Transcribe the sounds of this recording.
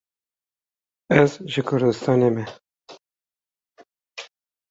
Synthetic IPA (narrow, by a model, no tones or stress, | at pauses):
ɛzʒəkʰʊɾd̪ɨst̪ɑːnemɛ